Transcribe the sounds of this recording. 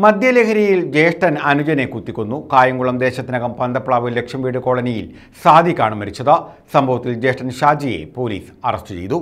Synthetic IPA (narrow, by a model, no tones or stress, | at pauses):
mɐd̪ʱjɐlekʰɐɾɐjild͡ʑe̞ːʂʈɐnɐnud͡ʑɐnekut̪ːikʲːunːukaːjɐŋɡuɭɐmd̪e̞ːɕɐt̪ːinɐɣɐmpɐnd̪ɐpːɭaːʋɨle̞kʂjɐmʋiːɽɨko̞ːɭɐnijil | saːd̪ʱikʲːaːɳɨmɐɾit͡ɕːɐðɨsɐmbʱɐʋɐt̪ːild͡ʑe̞ːʂʈɐnɕaːd͡ʑije̞̰po̞ːlḭːsɐrɐstɨt͡ɕe̞̰jt̪u